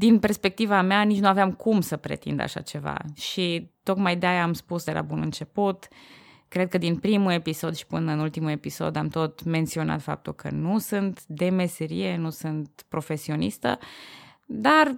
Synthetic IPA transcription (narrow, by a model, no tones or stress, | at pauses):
d̪inpe̞rspe̞k̚t̪ivameanit͡ʃnuaveamkʰumsəpɾḛt̪ḭnd̪a̰ʃa̰t͡ʃe̞va̰ʃit̪o̞kmajd̪eajaːmspusd̪elʔa̰bunɨnt͡ʃe̞put̪ | kɾe̞d̪̚kəd̪inpɾimue̞piso̞d̪ʃi̥pɨnəɨnult̪imue̞piso̞̰d̪amt̪o̞t̪me̞nt̪sio̞na̰t̪fa̰p̚t̪ulkə̰nusɨnt̪d̪e̞me̞se̞ɾije̞nusɨnt̪pɾo̞fe̞sio̞nist̪ə̰ | d̪ar